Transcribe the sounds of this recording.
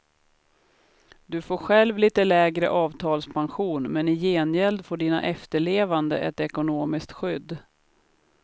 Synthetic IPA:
d̪ɵfoːɾɧɛlvliːt̪əlɛːɡɾə̰ʔɑːvt̪ʰɑːlspʰanɧuːnmɛnɪjeːnjɛld̪foːɖiːna̰ʔɛft̪əɭeːvand̪ə̰ʔɛt̪ɛkʊnoːmɪskt̪ɧʏd̪ː

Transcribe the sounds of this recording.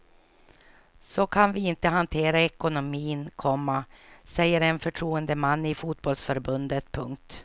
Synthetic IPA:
sɔkʰanvɪɪnt̪əɦant̪ʰeːɾaɛkʊnʊmiːnkʰɔmːasɛjːəɾɛnfœʈʰɾuːənd̪əmanːɪfuːt̪̚bɔlsfœɾbɵnd̪ət̪pʰɵŋk̚t̪

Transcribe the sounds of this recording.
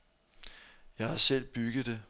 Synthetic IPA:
jɑ̈ɪhɑ̈sel̰b̥yɡ̥ð̩ˠd̥e̝

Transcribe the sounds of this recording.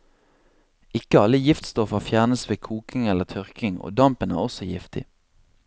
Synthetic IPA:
ɪkəɑləjɪft̪st̪ɔfəʁfjæːʁnəsʋeːkʰuːkɪŋɛlət̪ʰœʁkɪŋo̰ːd̪ɑmpənæ̰ːʁɔsɔjɪft̪ɪ̰

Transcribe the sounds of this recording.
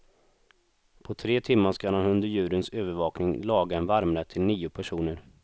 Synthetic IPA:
pʰɔt̪ʰɾeːt̪ʰɪmːaʂkad̪anɵnd̪əɾjʉ̟ːɾənsøːvəɾvɑːknɪŋlɑːɡaɛnvaɾmɾət̪ʰɪlniːʊpʰæʂuːnəɾ

